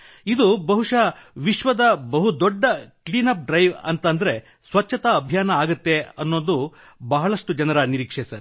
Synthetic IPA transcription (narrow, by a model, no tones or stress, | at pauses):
id̪ubɐɦuʂɐʋiʃʋɐd̪ɐbɐɦud̪oɖːɐkliːnɐp̚ɖɾɐjʋɐ̰nt̪ɐnd̪ɐɾe̞ | sʋɐt͡ʃːɐt̪ɐːbʱjaːnɐaːɡut̪ːe̞ɐnːoːnd̪u | bɐɦɐɭɐʂʈud͡ʒɐnɐɾɐniɾiːkʂesɐɾ